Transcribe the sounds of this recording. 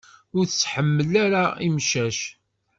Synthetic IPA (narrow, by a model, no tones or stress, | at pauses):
ʊɾθət͡sːħəmːəlæɾaimʃæʃ